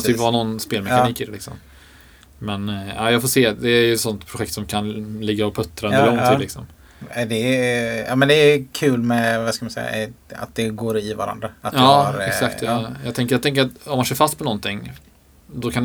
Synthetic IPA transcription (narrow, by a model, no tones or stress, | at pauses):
t̪ʰypːvɑːnɔnspeːlmɛkaiːkɪd̪ɛlɪksɔ̰m | mɛnaɪjɑːɡfoːseːd̪ɛɾjʉt̪sɔnt̪pʰɾʊɧɛk̚t̪sɔmkʰanlɪɡːaɔpʰɵt̪ːɾaɵnd̪əlɔŋt̪ʰɪllɪksɔm | d̪ɛɑ̰ːmɛnd̪ɛkʰʉ̟ːlmɛvaskamansɛ̰jːa̰a̰t̪̚d̪ɛɡoːɾɪva̰ɾa̰nd̪ɾaat̪ɑːaɾɛksakt̪ʰjɑjɑːɡt̪ʰɛŋk̬ːəjɑɡt̪ʰɛŋk̬əɾat̪ɔmːanseːɾfast̪pʰɔnɔnt̪ɪŋː | d̪ɔkʰan